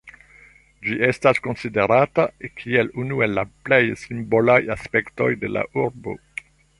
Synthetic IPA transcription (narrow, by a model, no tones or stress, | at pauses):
d͡ʒie̞stasko̞nside̞ɾatakʰie̞lunue̞lːa̰ple̞jsimbo̞lajaspe̞kto̞jde̞la̰ʔuɾbo̞̰